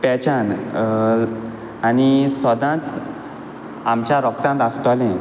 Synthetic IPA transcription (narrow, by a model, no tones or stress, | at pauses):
pɛt͡ɕãn | anisɔd̪ãt͡s | amt͡ɕjaɾɔkt̪ãnt̪ast̪ɔlɛ̃